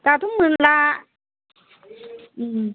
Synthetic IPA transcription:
t̪at̪umɯnla

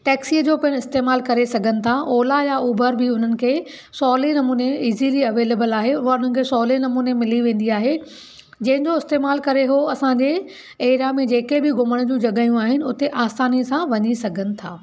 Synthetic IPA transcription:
ʈɛːksiːd͡ʑoːpɐɪɽ̃ɪst̪eːmaːlkɐɾesɐɡʱənɪ̆t̪ʰaʔoːlajauːbʱəɾbɪʊn̤ənɪ̆kʰeː | sɔːlinɐmuːneiːziliɐʋeːleːbəlaːɦeʊɦaʊn̤ənɪ̆kʰeːsɔːlenɐmuːnemɪliʋẽːn̆d̪iaːɦe | d͡ʑɐ̃ɦɪ̃ɲd͡ʑoɪst̪eːmaːlkɐɾeɦoɐsãːɲd͡ʑe | eːɾamẽd͡ʑeːkebɪɡʱʊməɽ̃d͡ʑũːd͡ʑɐɠaːjũaːɦɪnɪ̆ʊt̪eʔaːst̪aːnisãʋɐɲisɐɡʱənɪ̆t̪ʰa̰ː

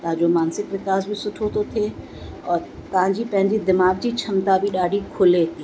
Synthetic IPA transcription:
t̪aːd͡ʒoːmaːnsɪkʋɪkaːsbʱisʊʈʰoːt̪ot̪ʰe | ɔːɾt̪ãːd͡ʒipɛ̃ɦnd͡ʒid̪ɪmaːɡd͡ʒit͡ʃʰɐmt̪abʱiɗaːɽikʰʊlet̪ʰiː

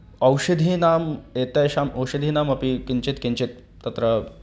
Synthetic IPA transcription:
ɐwɕɐd̪ʱinamet̪ajɕamɐwʂɐd̪ʱinamɐpikint͡ɕet̪kint͡ɕet̪̚ːɐt̪ɾə

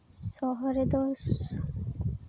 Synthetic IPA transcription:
sɔɦɔɾed̪ɔʃ

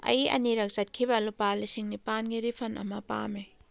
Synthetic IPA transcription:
ɐ̰jɐ̰niɾɐk̚sɐt̚kʰibɐlupalisiŋnipanɡiɾipʰɐnʔɐ̰mɐpa̰me

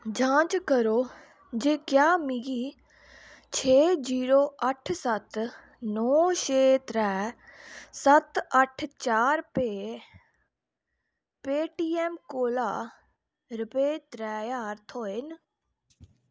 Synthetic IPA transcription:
d͡ʒãːt͡ʃkəɾoː | d͡ʒeːkjaːmɪɡiː | t͡ʃʰeːd͡ʒiːɾoːʔəʈʰsət̪ | nɔːʃeːt̪ɾɛː | sət̪əʈʰt͡ʃaːɾpeː | peːʈiːɛːmkoːlaː | ɾʊpeːt̪ɾɛːjaːɾt̪ʰoːɪn

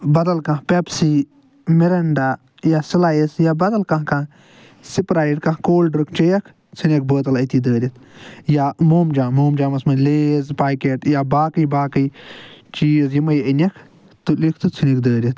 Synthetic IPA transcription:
bɐd̪ɐlkɐ̃ɦpepsi | miɾɐɳɖaː | jasilaːjisjabɐd̪ɐlkɐ̃ɦkã | sipɾaːiɖkɐ̃ɦkoːlɖɾɨkʰt͡ʃejɐkʰ | t͡sʰinʲek̚bəːt̪ɐlɐt̪id̪əːɾʲit̪ʰjamoːmd͡ʒaːmoːmd͡ʒaːmɐsmɐnʲleːzpaːkeːʈjabaːkəjbaːkɨjt͡ʃiːzjimɐjinʲɐkʰ | t̪ulikʰt̪ɨt͡sʰinikd̪əːɾʲit̪

